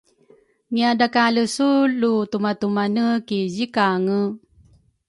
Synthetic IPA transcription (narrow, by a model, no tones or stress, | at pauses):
ŋiadakaləsulːutumatumanəkizikaŋə